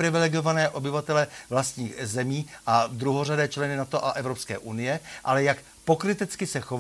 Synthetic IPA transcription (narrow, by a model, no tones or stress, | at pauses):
ɾɪvɪlɛɡo̞vanɛːʔo̞bɪvat̪ɛlɛvlast̪ɲiːxzɛmiːʔavd̪ɾuɦowradɛːt͡ʃlɛnɪnat̪oʔaʔɛvɾopskɛ̰ːʔunɪjɛʔalɛjak | po̞kɾɪt̪ɪt͡skɪsɛxov